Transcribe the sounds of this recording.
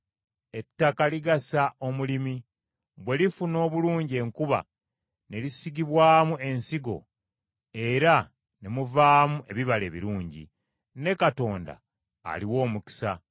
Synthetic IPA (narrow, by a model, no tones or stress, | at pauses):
e̞tːakaliɡasaʔo̞mulimi | βwe̞lifuno̞ːβuluːɲɟe̞ŋkuβa̰ | ne̞lisiɡiβwaːmue̞nsiɡo̞̰ | e̞ɾa | ne̞muvaːmuʔe̞βiβale̞ːβḭɾuːɲɟḭ | ne̞kato̞ːnda̰ː | liwo̞ːmuki̥sa